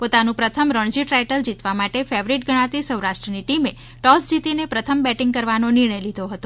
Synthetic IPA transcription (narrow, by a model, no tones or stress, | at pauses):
pot̪anũpɾət̪ʰəmɾəɳ̃d͡ʒiʈɾajʈəld͡ʒit̪ʋamaʈefeʋɾiʈ̚ɡʱəɽ̃ãt̪isəwɾaʃʈɾəniʈime | ʈɔsd͡ʒit̪inepɾət̪ʰəmbɛʈiŋɡ̚kəɾʋanonɪɾ̃əjlid̪ʱoɦət̪o